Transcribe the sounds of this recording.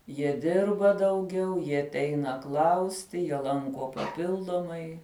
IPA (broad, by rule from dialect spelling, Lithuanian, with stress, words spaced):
jiɛ ˈdʲɪrbɐ dɐʊˈɡʲɛʊ jiɛ ɐtʲˈɛɪnɐ ˈklˠɐʊsʲtʲɪ jiɛ ˈlˠɐŋkoː pɐˈpʲɪlˠdoːmɐɪ